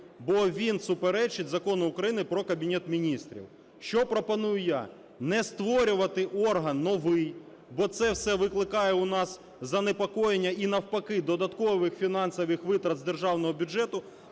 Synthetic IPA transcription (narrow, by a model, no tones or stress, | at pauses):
bɔʋʲinsʊpeɾɛt͡ʃɪtʲzɐkɔnʊʊkɾɐjinɪpɾɔkɐbʲinʲɛt̪mʲinʲist̪ɾʲḭw | ʃt͡ʃɔpɾɔpɐnujʊja̰ | nɛst̪ʋɔɾʲʊʋɐt̪ɪʔɔrɦɐnːɔʋɪj | bɔt̪sɛwsɛʋɪklˠɪkɑjɛʊnɑs | zɐnepɔkɔjenʲːɐinɐwpɐkɪd̪ɔd̪ɐt̪kɔʋɪxfʲinɑnsɐʋɪxʋɪt̪ɾɐd̪zd̪erʒɑwnɔɦɔbʲʊd͡ʒɛt̪ʊ